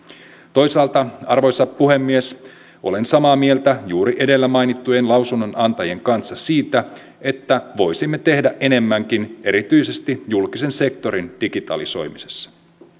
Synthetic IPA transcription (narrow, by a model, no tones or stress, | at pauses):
t̪o̞jsɑːlt̪ɑɑrʋo̞jsɑppuɦe̞mːie̞s | ʔo̞̰le̞nsɑmɑːmie̞lt̪æjuːɾiʔe̞de̞lːæmɑjnit̪ːujenlɑwsunːo̞nɑnt̪ɑje̞ŋkɑnsːɑsiːt̪æ | e̞t̪ːæʋo̞jsimːe̞t̪e̞hdæʔe̞ne̞mːæŋk̟ineɾit̪yjse̞st̪ijulkise̞nse̞k̚t̪o̞ɾind̥iɡit̪ɑ̰liso̞̰jmise̞̥sːɑ̥